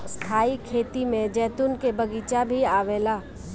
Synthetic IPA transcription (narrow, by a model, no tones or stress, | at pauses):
st̪ʰaːikʰeːt̪imẽd͡ʒɛːt̪ʊnkebɐɡiːt͡ʃabʱiaːʋeːlaː